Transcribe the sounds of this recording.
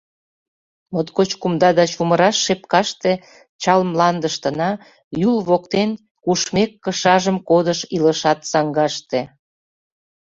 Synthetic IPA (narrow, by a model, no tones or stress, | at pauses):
mot̪kot͡ɕkumd̪ɑd̪ɑt͡ɕuməɾɑʃːep̚kɑʃt̪e | t͡ɕɑlmlɑnd̪əʃt̪ənɑ | julβokt̪en | kuʃmekːəʃɑʒəmkod̪əʃiləʃɑt̪sɑŋɡɑʃt̪ĕ